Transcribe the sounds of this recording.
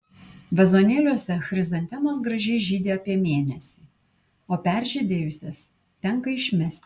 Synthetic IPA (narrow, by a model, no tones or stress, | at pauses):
ʋʲɛzoːnʲeːlʲuɔsʲɛxɾʲɪzɐnʲt̪ʲɛmoːs̬ɡɾɐʒʲɛɪʒʲiːd̪ʲeːɐpʲiɛmʲeːnʲɛsʲiː | oːpʲæˑɾʲʒʲed̪ʲeːjʊsʲɛs | t̪ʲɛŋkɐɪʃʲmʲɛsʲt̪ʲ